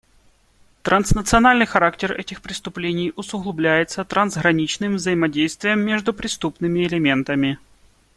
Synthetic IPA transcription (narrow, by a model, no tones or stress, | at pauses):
t̪ɾɐnsnət̪sɨɐnalʲnɨjxɐɾaktʲɪrɛ̰tʲɪxpɾʲɪst̪ʊplʲenʲɪjʊsʊɣlˠʊblʲæjɪt̪sət̪ɾɐnzɣɾɐnʲit͡ɕnɨmvzəjɪmɐdʲejst̪vʲɪjəmːʲeʐd̪ʊpɾʲɪst̪upnɨmʲɪːlʲɪmʲe̞nt̪əmʲɪ